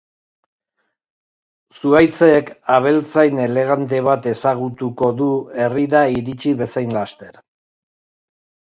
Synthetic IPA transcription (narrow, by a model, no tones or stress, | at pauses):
suajt͡seːkaβ̞e̞lt͡sajne̞le̞ɣ̞ant̪̬e̞βat̪e̞saɣ̞ut̪uko̞ðue̞riɾaiɾit͡ʃiβe̞sajnlast̪e̞ɾ